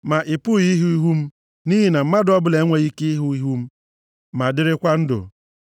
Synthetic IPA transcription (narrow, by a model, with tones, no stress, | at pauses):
ma˨ʔɪ˨pʊ˦˨ɣi˦ɦu˦i˦ɦu˦m̩˦ | ni˦ɦi˨na˨m̩˦ma˦dɔ˦bʊ˦le˨˦ŋʷe˦ɣi˦kɪ˦i˦ɦu˦i˦ɦu˦m̩˦ | ma˨dɪ˦ɾɪ˦kʷa˦n̩˦dʊ̰˨